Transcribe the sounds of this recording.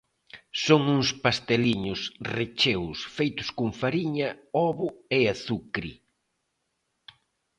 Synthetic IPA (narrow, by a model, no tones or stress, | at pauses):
soŋuŋspast̪eliɲʊsret͡ʃewsfejt̪ʊ̥skʊŋfaɾiɲɐɔβʊeaθukɾḭ